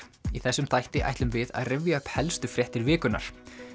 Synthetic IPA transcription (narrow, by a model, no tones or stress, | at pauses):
iθɛsːʏmt̪ʰajht̪ɪʔa̰jht̪lʏmvɪða̰ðrɪvjaœhphɛlst̪ʏfɾjɛht̪ɪɾvɪːkʏnːa̰ɾ̥